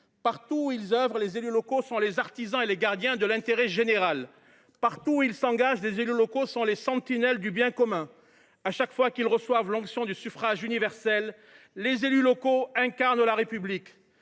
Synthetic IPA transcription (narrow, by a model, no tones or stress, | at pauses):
paʁt̪uilzœvʁəlezelylɔkosɔ̃lezaʁt̪izɑ̃eleɡaʁd̪jɛ̃d̪əlɛ̃t̪eʁɛʒeneʁal | paʁt̪uilsɑ̃ɡaʒlezelylɔkosɔ̃lesɑ̃t̪inɛld̪ybjɛ̃kɔmɛ̃ | aʃakfwakilʁəswavlɑ̃ksjɔ̃d̪ysyfχaʒynivɛʁsɛlː | ezelylɔkoɛ̃kaʁnlaʁepyblik